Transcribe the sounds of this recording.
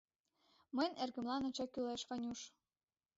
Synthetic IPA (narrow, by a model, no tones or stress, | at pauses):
məjnerɣə̆mlɑnɤt͡ɕɑkyleʃkɑnʲuʃ